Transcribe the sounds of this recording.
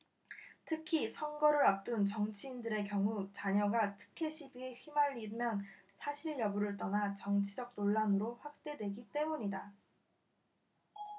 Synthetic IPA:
tʰɯkʰisʰʌŋɡʌɾɯɾap̚t͈ɯnt͡ɕʌŋt͡ɕʰiːndɯɾe̞kjʌŋut͡ɕaɲʌɡatʰɯ̥kʰe̞ɕʰibie̞ɸimaʎːimjʌn | sʰaɕʰiɭjʌbuɾɯɭt͈ʌnat͡ɕʌŋt͡ɕʰid͡ʑʌk̚noɭːanɯɾoɸwak̚t͈e̞dwe̞ɡit͈e̞muɲida

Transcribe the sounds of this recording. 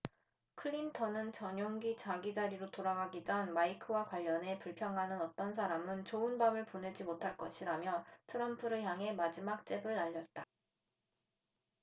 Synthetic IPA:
kʰɯɭːintʰʌnɯnt͡ɕʌɲoŋɡit͡ɕaɡid͡ʑaɾiɾotoɾaɡaɡid͡ʑʌnmaikʰɯwakwaʎːʌne̞puɭpʰjʌŋɦanɯnʌt͈ʌns̬ʰaɾamɯnt͡ɕoɯnbamɯɭpone̞d͡ʑimotʰaɭk͈ʌɕʰiɾamjʌtʰɯɾʌmpʰɯɾɯçjaŋɦe̞mad͡ʑimak̚t͡ɕ͈e̞bɯɾaʎːʌt̚t͈a

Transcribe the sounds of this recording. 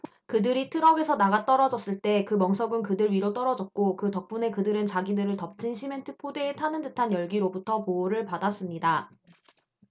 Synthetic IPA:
kɯdɯɾitʰɯɾʌɡe̞sʰʌnaɡat͈ʌɾʌd͡ʑʌs͈ɯɭt͈e̞kɯmʌŋsʰʌɡɯnkɯdɯɾɥiɾot͈ʌɾʌd͡ʑʌt̚k͈okɯtʌk̚p͈une̞kɯdɯɾɯnt͡ɕaɡinɯɾɯɭtʌp̚t͡ɕ͈ʰinɕʰime̞ntʰɯpʰodeːtʰanɯndɯtʰanjʌɭɡiɾobutʰʌpoːɾɯɭpadas͈ɯmɲida

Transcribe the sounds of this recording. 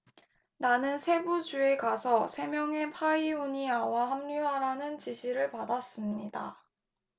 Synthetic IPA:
nanɯnsʰe̞bud͡ʑue̞kasʰʌsʰe̞mjʌŋe̞pʰaiuɲiawaɦamɲuɦaɾanɯnt͡ɕiɕʰiɾɯɭpadas͈ɯmɲida̰

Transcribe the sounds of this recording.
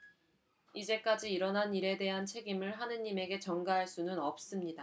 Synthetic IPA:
id͡ʑe̞k͈ad͡ʑiːɾʌnɦaniɾe̞de̞ɦant͡ɕʰe̞ɡimɯɭɦanɯɲime̞ɡe̞t͡ɕʌŋɡaɦaɭs͈unɯnʌp̚s͈ɯmɲida

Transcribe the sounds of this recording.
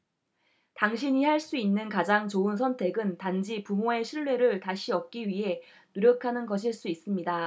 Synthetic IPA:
taŋɕ̬ʰiɲihaɭs͈uinːɯnkad͡ʑaŋt͡ɕoɯns̬ʰʌntʰe̞ɡɯntand͡ʑipumoe̞ɕʰiɭːwe̞ɾɯɭtaɕʰiʌp̚k͈iɥiɦe̞ | nuɾjʌkʰanɯnɡʌɕ̬ʰiɭs͈uis͈ɯmɲida

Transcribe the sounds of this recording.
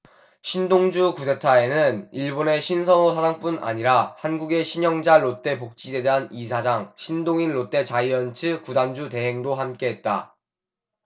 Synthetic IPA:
ɕʰindoŋd͡ʑukude̞tʰae̞nɯniɭbone̞ɕʰinsʰʌnosʰadaŋp͈una̰ɲiɾahanɡuɡe̞ɕʰiɲʌŋd͡ʑaɭot͈e̞pok̚t͡ɕ͈ide̞deɦanisʰad͡ʑaŋɕʰindoŋinɾot͈e̞t͡ɕaiʌnt͡ɕʰɯkudand͡ʑute̞ɦe̞ŋdoɦamk͈e̞ɦet̚t͈a̰

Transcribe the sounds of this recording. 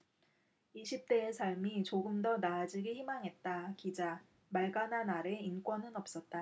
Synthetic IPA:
iɕʰip̚t͈e̞ːsʰaɭmit͡ɕoɡɯmdʌnaːd͡ʑiɡiçimaŋɦe̞t̚t͈akid͡ʑa | maɭɡananaɾe̞ink͈wʌnɯnʌp̚s͈ʌt̚t͈a

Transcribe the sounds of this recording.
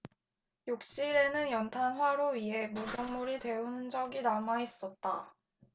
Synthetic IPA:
jok̚t͡ɕ͈iɾe̞nɯnjʌntʰanɦwaɾoɥiɦe̞modʌŋmuɾitwe̞unɯnd͡ʑʌɡinamais͈ʌt̚t͈a

